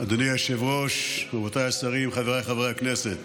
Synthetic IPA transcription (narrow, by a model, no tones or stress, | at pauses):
ad̪onijaʃevʁoʃabot̪ajasaʁimχaveʁajχavʁejakneset̪